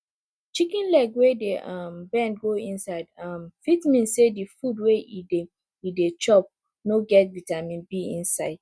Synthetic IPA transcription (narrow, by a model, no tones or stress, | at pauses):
t͡ʃikĩnlɛɡwedeʔambɛ̃nd̚ɡoĩnsaɪdamfitmĩnsedifudweide | idet͡ʃɔp̚ | noɡɛtvitamĩnbiĩnsaɪd̥̚